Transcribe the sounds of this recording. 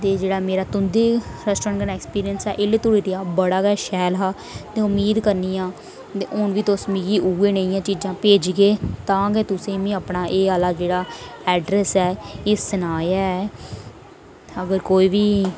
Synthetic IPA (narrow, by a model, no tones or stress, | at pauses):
t̪eːd͡ʒeːɽaːmeːɾaːt̪ʊ̃nd̪eːɾɛːsʈɾəɳɡənɛːkspiːɾijənsɛːʔɪleːt̪ʊɽiːɾɪjaːbəɽaːɡɛːʃɛːlɦaː | t̪eːʊmːiːd̪kəɾniːãː | t̪eːʔʊːnʋiːt̪oːsmiɡiːʔuːeːnẽːĩːãːt͡ʃiːd͡ʒãːpeːd͡ʒɡeːt̪ãːɡeːt̪ʊsẽmĩːapɳaːʔeːaːlaːd͡ʒeːɽaːɛːɖɾɛsɛːeːsənaːɛː | əɡəɾkoːiːʋiː